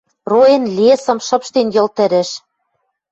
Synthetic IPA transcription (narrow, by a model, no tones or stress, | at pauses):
roĕnlʲesɤ̆mʃɤ̆pʃt̪enjɤ̆lt̪ɘ̆ɾɘ̆ʃ